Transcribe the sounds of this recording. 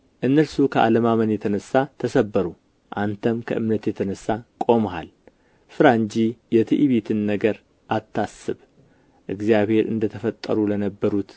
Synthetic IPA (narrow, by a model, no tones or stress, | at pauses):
ʔɨnːəlsukʰəʔa̰ləmamənjɛt̪ʰənəsːat̪ʰəsəbːəɾu | ʔant̪ʰəmkʰəʔɨmnət̪jɛt̪ʰənəsːakʼo̞mɦa̰l | fɨɾaɨɲd͡ʒijɛt̪ʰɨʔiβet̪ʰɨnːəɡəɾ | ʔat̪ʰːasɨβ | ʔɨɡzijaβhe̞ɾɨ̰nd̪ət̪ʰəfət̪ʼːə̰ɾulənəbːəɾut̪